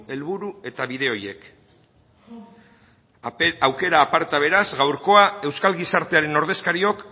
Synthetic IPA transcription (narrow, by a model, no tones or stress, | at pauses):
e̞lβuɾue̞t̪aβiðe̞o̞je̞k | awke̞ɾaːpaɾt̪aβ̞e̞ɾazɣawɾko̞ae̞wskalɣisaɾt̪e̞aɾe̞no̞ɾðe̞skaɾio̞k